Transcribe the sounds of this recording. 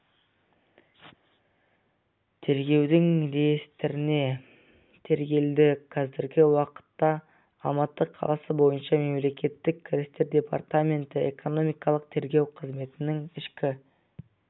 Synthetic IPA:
t̪ʰe̞ɾɡʲe̞wd̪ɪŋɾejst̪ɪɾɪne̞ | t̪ʰe̞ɾɡʲe̞ld̪ɪqʰɑzɪɾɡʲɪwɑqə̥t̪ːɑ | ɑlˠmɑt̪ːəqʰːɑ̰lˠɑsəbo̞jənʃɑme̞mle̞kʲe̞t̪ːɪkʲʰːɪɾʲɪst̪e̞ɾd̪ʲe̞pa̰rt̪amʲe̞nt̪ɪḛko̞no̞mijkɑlˠəq̚t̪ʰe̞ɾɡʲe̞wqʰəzme̞t̪ɪnɪŋɪʃkʲɪ

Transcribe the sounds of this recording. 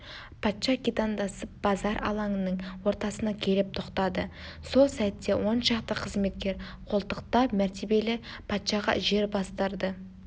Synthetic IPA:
pʰɑt̪ʃɑkʲit̪ɑnd̪ɑsəp̚b̥ɑzɑɾʔɑ̰lˠɑɴənəɴwo̞ɾt̪ɑsənɑkʲʰe̞lɪp̚t̪ʰoqt̪ɑd̪ə | so̞lˠsæt̪ːe̞wo̞nʃɑqt̪əqʰəzme̞t̪kʲe̞ɾ | qʰo̞lˠt̪əqt̪ɑpmæɾt̪e̞be̞lɪ | pʰɑt̪ʃɑʁɑ̰ʒe̞ɾbɑst̪əɾd̪ə

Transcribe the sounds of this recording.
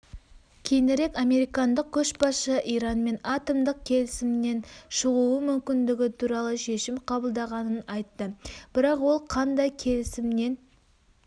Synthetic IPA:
kʲʰe̞jnɪɾe̞kɑme̞ɾijkɑnd̪əq̚kʲʰɵʃbɑsʃəʔijɾɑnme̞nɑt̪omd̪əq̚kʲʰe̞lɪsɪmne̞nʃəʁuwəmʏmkʲɪnd̪ɪɡʲɪt̪ʰuɾɑlˠəʃe̞ʃɪmqʰɑbəlˠd̪ɑʁɑnənɑjt̪ːəb̥ɪɾɑqwo̞lˠqʰɑnd̪ɑjkʲʰe̞lɪsɪmne̞n

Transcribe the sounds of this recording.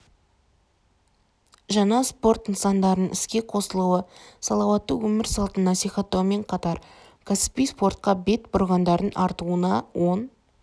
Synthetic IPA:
ʒɑnɑspo̞rt̪ənsɑnd̪ɑɾənəŋʔɪskʲe̞qʰo̞səlˠuwəsɑlˠɑwɑt̪ːəwɵmɪɾsɑlˠt̪ənːɑsijχɑt̪ːɑwme̞ɴqʰɑt̪ɑɾ | kʲʰæsɪ̥pijspo̞rt̪̚qɑbe̞t̪bʊɾʁɑnd̪ɑɾənɑɾt̪uənɑwo̞n

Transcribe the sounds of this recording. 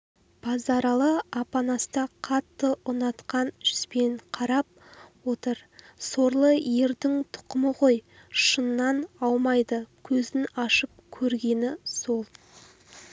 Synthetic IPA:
b̥ɑzɑɾɑlˠəɑpɑnɑst̪ɑqʰɑt̪ːəʔʊnɑt̪qɑnʒʏ̥spe̞ɴqʰɑɾɑp̚ | wo̞t̪əɾso̞ɾlˠəje̞ɾd̪ɪŋt̪ʰʊ̥qəməʁojʃənːɑnɑlˠmɑjd̪əkʲʰɵzɪnɑʃəp̚kʲʰɵɾɡʲe̞nɪso̞lˠ

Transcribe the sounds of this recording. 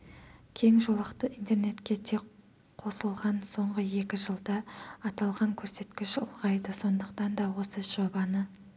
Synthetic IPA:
kʲʰe̞ŋʒo̞lˠəqt̪əʔint̪e̞rne̞t̪kʲe̞t̪ʰe̞k | qʰːo̞səlˠʁɑnso̞ɴʁəje̞kʲɪʒəlˠd̪ɑːt̪ɑlˠʁɑŋkʲʰɵɾse̞t̪kʲɪʃʊlˠʁɑjd̪əso̞nd̪əqt̪ɑnd̪ɑwo̞səʒ̥obɑnə

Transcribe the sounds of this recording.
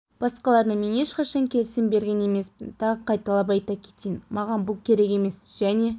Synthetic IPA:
b̥ɑsqɑlˠɑɾnəme̞ne̞ʃqɑʃɑŋkʲʰe̞lsɪmbe̞ɾɡʲe̞ne̞me̞spɪnt̪ʰɑʁəqʰɑjt̪ɑlˠɑp̬ɑjt̪ɑkʲʰe̞̥t̪ejnmɑʁɑnbʊlˠkʲʰe̞ɾe̞ke̞me̞sʒ̥æne̞

